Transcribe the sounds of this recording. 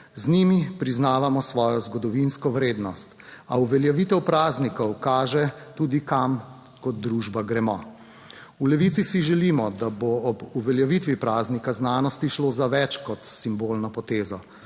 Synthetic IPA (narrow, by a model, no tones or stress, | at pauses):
znimipɾiznaːʋamɔsʋɔːjɔzɡɔd̪ɔʋinskɔʋɾeːd̪nɔst̪a̰uʋɛljɛʋit̪ɛwpɾaːznikɔwkaːʒɛt̪uːd̪ikam | kɔt̪̚d̪ɾuʒbaɡɾɛmɔ | ulɛʋit̪sisiʒɛlimɔd̪aboɔbuʋɛljɛʋit̪ʋipɾaːznikaznaːnɔst̪iʃloːzaʋɛt͡ʃkɔt̪simbolnɔpɔt̪eːzɔ